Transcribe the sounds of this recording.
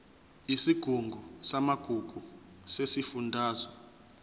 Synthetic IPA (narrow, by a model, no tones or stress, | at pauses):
isiɡ̥ʱuŋɡʱɔsamaɡ̥ʱuɡ̥ʱu | sesifundʱaːzɔ